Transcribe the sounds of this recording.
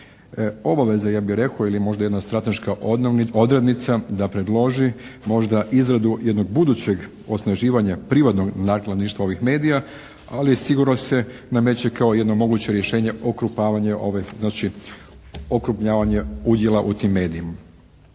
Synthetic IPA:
o̞baʋe̞zajaːbixɾe̞koilimo̞ʒd̪aje̞d̪nast̪ɾat̪e̞ʃkaʔo̞d̪ɾed̪nit̪sad̪apɾe̞d̪lo̞ʒimo̞ʒd̪aʔizɾad̪ujed̪no̞ɡ̚bud̪ut͡ɕe̞ɡ | o̞snaʒiːʋaɲapɾiʋat̪no̞ɡnaklˠad̪niʃt̪ʋao̞ʋixme̞ːd̪ija | alisiɡuɾno̞se̞namet͡ɕekao̞jed̪no̞mo̞ɡut͡ɕe̞ɾjeʃe̞ːɲe̞ʔo̞kɾupaːʋaɲeʔo̞̰ʋeznaːt͡ʃi | okɾupɲaːʋaɲeud̪je̞lˠaʔut̪imːe̞ːd̪iima

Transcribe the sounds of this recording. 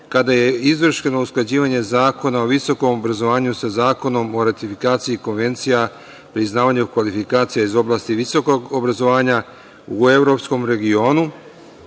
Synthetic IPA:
kad̪aje̞izʋr̩ʃeno̞usklˠad͡ʑiːʋaɲe̞zaːko̞naoʋiso̞ko̞mo̞bɾazo̞ʋaːɲusazaːko̞no̞mo̞ɾat̪ifikaːt̪sijiko̞nʋe̞nt̪sija | pɾiznaːʋaɲokʋalifikaːt̪sijaizo̞blˠaːst̪iʋiso̞ko̞ɡobɾazo̞ʋaːɲa | ue̞ʋɾo̞psko̞mɾe̞ɡio̞ːnu

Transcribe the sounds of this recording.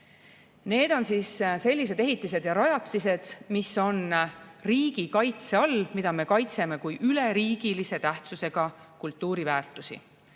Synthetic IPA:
ne̞ːd̪̥o̞nsiːsse̞lʲːis̬e̞d̪e̞ɦit̪ːˑise̞d̪̥jɑɾɑjɑt̪ːˑise̞d̪̥misːo̞nriːɡ̥ikɑjt̪se̞ɑlːmid̪̥ɑme̞kɑjt̪se̞me̞kujʔyle̞ɾiːɡ̥ilise̞t̪æht̪suse̞ɡ̥ɑ | kult̪ːˑuːɾivæːrt̪ːˑusḭ

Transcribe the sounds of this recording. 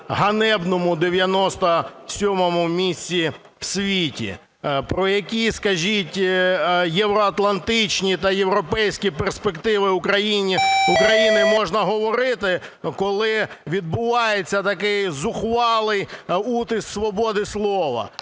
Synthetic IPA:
ɦɐnɛbnɔmʊd̪eʋʲjɐnɔst̪ɐsʲɔmɔmʊmʲisʲt͡sʲi | wsʲʋʲitʲḭ | pɾɔjɐkʲiskɐʒʲitʲ | jeʋɾɔɐt̪lˠɐnt̪ɪt͡ʃnʲit̪ɐjewɾɔpɛjsʲkʲiperspekt̪ɪʋɪʊkɾɐjinʲiukɾɐjinɪmɔʒnɐɦɔʋɔɾɪt̪ɪkɔlˠɪʋʲid̪̚bʊʋɑjet͡sʲːɐt̪ɐkɪjzʊxʋɑlˠɪjut̪ɪsksʋɔbɔd̪ɪslˠɔʋɐ̰

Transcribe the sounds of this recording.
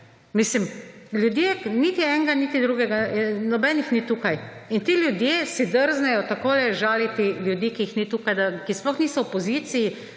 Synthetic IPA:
mislimlʲjud̪jeːnit̪iɛŋɡanit̪id̪ɾuːɡɛɡanɔbɛnixnit̪uːkajint̪iːljud̪jeːsid̪əɾznɛjɔt̪akoːlɛʒaːlit̪iljud̪iːkiixnit̪uːkajd̪akisplɔxniːsɔɔpɔziːt̪siji

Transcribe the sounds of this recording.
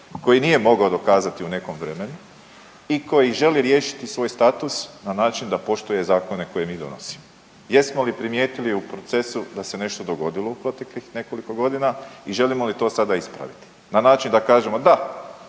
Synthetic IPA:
ko̞jinije̞mo̞ɡaod̪o̞kaːzat̪iune̞ko̞mʋɾe̞me̞nu | iko̞jiʒe̞liɾje̞ːʃi̥t̪isʋo̞ːjst̪at̪usnanaːt͡ʃind̪apo̞ʃt̪uje̞zaːko̞ne̞ko̞je̞miːd̪o̞̰no̰si̥mo | jesmo̞lipɾimje̞ːt̪iliupɾo̞t̪se̞sud̪ase̞ne̞ʃt̪o̞d̪o̞ɡo̞d̪ilˠo̞upɾo̞t̪e̞klixne̞ko̞liko̞ɡo̞d̪inaiʒe̞limo̞lit̪o̞ːsad̪aispɾa̰ʋit̪i̥ | nanaːt͡ʃind̪akaːʒe̞mo̞d̪a

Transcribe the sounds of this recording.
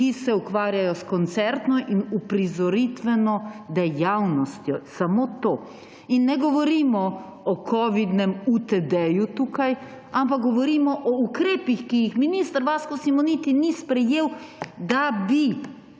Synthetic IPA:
kisɛukʋaːɾjajɔskɔnt̪sɛɾt̪nɔʔinupɾizɔɾit̪ʋɛnɔd̪ɛjawnɔst̪jɔsamoːt̪oː | inːɛɡɔʋɔɾiːmɔ | ɔkʰɔʋid̪nɛmut̪ɛd̪ɛjut̪uːkaj | amp̬ak̚ɡɔʋɔɾiːmɔʔɔukɾeːpixkijixminist̪əɾʋaːskɔsimɔnit̪inispɾɛjeːwd̪abi

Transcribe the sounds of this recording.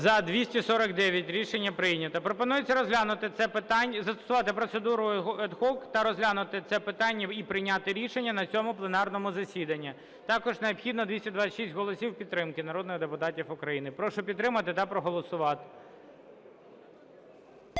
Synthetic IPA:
zɐd̪ʋʲisʲtʲisɔɾɐɡd̪ɛʋʲjɐtʲɾʲiʃenʲːɐpɾɪjnʲɐt̪ɐpɾɔpɔnujet͡sʲːɐɾɔzʲlʲanʊt̪ɪt̪sɛpt̪ɑnʲzɐst̪ɔ̥sʊʋɑt̪ɪpɾɔt̪sed̪uɾʊɛd̪xɔkt̪ɐɾɔzʲɦlʲanʊt̪ɪt̪sɛpɪt̪ɑnʲːɐipɾɪjnʲat̪ɪɾʲiʃenʲːɐnɐt͡sʲɔmʊplˠenɑrnɔmʊzɐsʲid̪ɐnʲːi | t̪ɑkɔʒneɔpxʲid̪nɔd̪ʋʲisʲtʲɐd̪ʋasʲʃisʲtʲɦɔlˠɔsʲiwpʲit̪t̪ːɾɪmkɪnɐɾɔd̪nɪɣd̪epʊt̪ɑtʲifʊkɾɐjinɪpɾɔʃɔpʲit̪t̪ːɾɪmɐt̪ɪt̪ɐpɾɔɦɔlˠɔsʊʋɑt̪ɪ̥

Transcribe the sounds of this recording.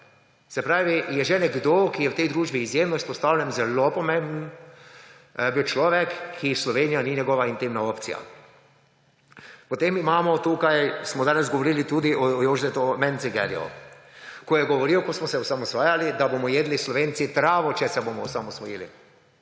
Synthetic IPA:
sɛpɾaːʋijɛʒɛnɛɡd̪oːkijɛwt̪ɛjd̪ɾuːʒbiːzjeːmnɔispɔst̪aːwlʲjɛnzɛlopɔmẽmbn | ɛbiwt͡ʃlɔːʋɛkʰːislɔʋeːnijaniɲɛɡɔːʋaint̪imnaoːpt̪sḭja̰ | pɔt̪emimaːmɔt̪uːkajsmɔd̪aːnɛzɡɔʋoɾiːlit̪uːd̪iʔɔjoːʒzɛt̪ɔmɛnsiɡɛ̰lḭɔ̰ | kɔjɛɡɔʋɔɾiwkɔsmɔsɛɔsamɔsʋaːjalid̪abomɔjeːd̪lislɔʋensit̪ɾaːʋɔt͡ʃɛsɛbomɔɔsamɔsʋɔjilḭ

